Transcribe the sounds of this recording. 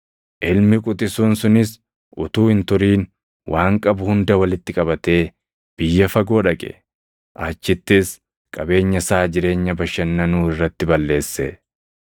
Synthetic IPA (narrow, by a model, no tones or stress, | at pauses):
ʔɪlmɪkʼʊt̪ʼɪsuːnsʊnɪs | ʔʊt̪uːhɪnt̪ʊɾiːn | wʔaːŋkʼɐbʊhʊnd̪ɐwɐlɪt̪ːɪkʼɐbɐt̪e̞ː | b̥ɪjːɐfɐɡo̞ːᶑɐkʼɛ̰ | ʔaːt͡ʃːɪt̪ːɪs | kʼɐbe̞ːɲːɐsaːd͡ʒɪɾe̞ːɲːɐbɐʃːɐnːɐnuːɪrːɐt̪ːɪbɐlːe̞ːsːɛ